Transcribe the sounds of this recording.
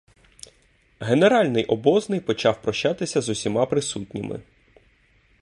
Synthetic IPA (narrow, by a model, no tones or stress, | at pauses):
ɦeneɾɑlʲnɪjʔɔbɔznɪjpɔt͡ʃɑwpɾɔʃt͡ʃɑt̪ɪsʲɐzʊsʲimɑpɾɪsutʲnʲɪmʔɪ̰